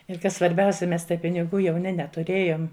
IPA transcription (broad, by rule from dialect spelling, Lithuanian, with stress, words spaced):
ɪr ˈkɐs sʋɐrʲˈbʲɛʊsʲɛ ˈmʲɛs tɐɪ pʲɪnʲɪˈɡuː jɛʊˈnʲɪ nʲɛtʊˈrʲeːjoːm